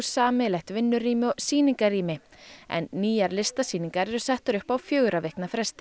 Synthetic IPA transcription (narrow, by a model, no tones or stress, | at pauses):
saːmɛlɛxt̪vɪnːʏriːmɪɔsiːniŋkariːmɪɛ̰nːiːjaɾlɪst̪asiːniŋkaɾɛɾʏsɛht̪ʏɾʏhpawfjœːɣɾavɛhknafɾɛst̪ɪ̥